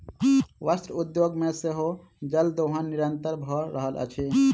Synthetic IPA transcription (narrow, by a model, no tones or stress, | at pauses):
ʋast̪ɾud̪joɡmeseɦo | d͡ʒəld̪oɦanːiɾənt̪əɾbʱɔɾəɦəlʔə̰t͡ʃʰi